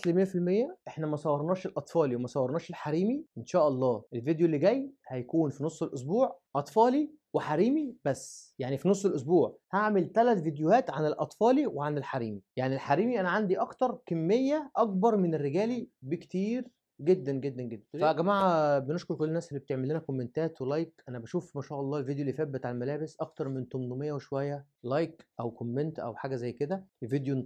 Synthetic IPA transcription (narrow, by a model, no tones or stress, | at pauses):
lemejːæfilmejːæʔeħnæmæsˤɑwːɑɾˤnɑːʃelʔɑt̪ˤfɑːliwemæsˤɑwːɑɾˤnɑːʃelħaɾiːmiʔenʃæːʔɑlˤːɑːʔelved̪joelːiɡæjhæjækuːnfinosˤːelʔos̬buːʕʔɑt̪ˤfɑːli | weħaɾiːmibæsːjaʕnifinosˤːelʔos̬buːʕhaʕmelt̪ælæt̪vid̪johæːt̪ʕanelʔɑt̪ˤfɑːliweʕanelħaɾiːmijaʕnilħaɾiːmiʔænæʕand̪iʔɑkt̪ɑɾˤkæmːejːæʔɑk̚bɑɾˤmenerːeɡæːlibekt̪iːɾ | ɡed̪ːænɡed̪ːænɡed̪ːænfæɡæmaːʕabeneʃkoɾkolːnæːsʔelːibet̪eʕmelːenækomːent̪æːt̪welɑjkʔænæbæʃuːfmæʃæːʔɑlˤːɑːelvid̪julːiːfæbːet̪ʕalælmælæːbesʔɑkt̪ɑɾˤment̪omnomejːæweʃowæjːæ | lɑjkʔæwkomːent̪ʔæ̰wħaːɡæzæjːked̪æved̪jo